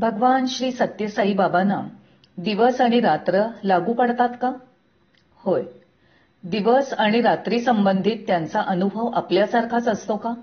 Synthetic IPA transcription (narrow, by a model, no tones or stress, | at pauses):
bʱəɡʋanɕɾiːsət̪jəsaɦiːbabana̰ | d̪iʋəsaɽ̃iɾat̪ɾəlaɡuːpəɽt̪at̪ka | hoj | d̪iʋəsaɽ̃iɾat̪ɾiːsəmbənd̪ʱiːt̪ːjant͡saʔənubʱəʋapljasaɾkʰat͡səst̪oka